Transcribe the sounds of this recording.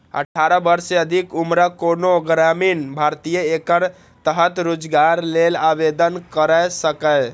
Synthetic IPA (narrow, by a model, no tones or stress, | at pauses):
ə̰ʈʰaɾəbəɾseəd̪ʱikumɾəkonoɡɾaminbʱaɾt̪ijəekəɾ | t̪əɦət̪ɾod͡ʒɡaɾlelabed̪ənkəɾəsəkə